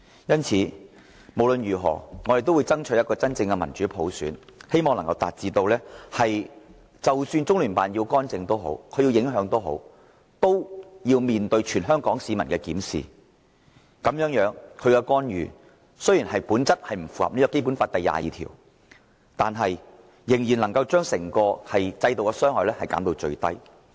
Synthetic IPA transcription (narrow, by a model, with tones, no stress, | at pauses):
jɐ˥nt͡sʰiː˨˧ | mo˨˩wlɵ˨nɥyː˨˩ɦɔ̰ː˨˩ŋɔː˨˧ɾe˨jt̪o˥wːjt͡sɐ˥ŋt͡ʃʰɵ˨˥jɐ˥t̚kɔː˧t͡sɐ˥nt͡sɪ˧ŋkɛ˧mɐ̰˨˩nt͡ʃyː˨˥pʰo̰˨˥wsyː˨˥nhe˥jmɔː˨ŋlɐ˨˩ŋkɐ˧wt̪aː˨t̚t͡siː˨t̪o˧wlɛː˥hɐ˨j | t͡sɐ˨˩wsyː˧nt͡sʊ˥ŋlyː˨˩paː˨njiː˧wkɔː˥nt͡sɪ˧ŋt̪o˥wɦo̰˨˥wkʰɵ˨˧ji˧wjɪ˨˥ŋɦœː˨˧˥ŋt̪o˥wɦo̰˨˥w | t̪o˥wjiː˧wmiː˨nt̪ɵ˧ɥt͡ʃʰyː˨˩nɦœː˥ŋkɔː˨˥ŋsiː˨˧mɐ˨˩nkɛː˧kiː˨˥msḭː˨ | kɐ˨˥mjœː˨˥ŋjœː˨˥ŋkʰɵ˨˧ɥkɛ˧kɔː˥njyː˨ | sɵ˥ɥjiː˨˩nhɐ˨jpuː˨˥nt͡sɐ˥t̚hɐ˨jm̩˨˩fuː˨hɐ̰˨p̚niː˥kɔ˧ke˥jp̬u˨˥nfaː˧t̚t̪ɐ˨˩jːa̰ː˨jḭː˨˧t̪ʰḭ˨˩w | t̪aː˨nɦɐ˨j | jɪ˨˩ŋjiː˨˩nlɐ˨˩ŋkɐ˧wt͡ʃœː˥ŋsɪ˨˩ŋkɔː˧hɐ˨jt͡sɐ˧jt̪o˨wkɛ˧sœː˥ŋhɔː˨jlɛː˥hɐ˨jka̰ː˨˥nt̪o˧wt͡ʃɵ̰˧ɥt̪ɐ̰˥j